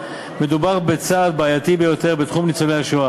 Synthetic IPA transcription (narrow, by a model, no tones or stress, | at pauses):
me̞dubaʁbet͡saːd̪̚baːjat̪ibe̞jo̞t̪e̞ʁbet̪χumnit͡solejaʃua